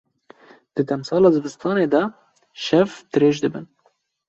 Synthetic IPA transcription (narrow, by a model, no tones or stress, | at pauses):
d̪̥ɨd̪ɛmsɑːlɑːzɨbɨst̪ʰɑːneːd̪ɛ | ʃɛvd̪ɨɾeːʒd̪ɨbɨn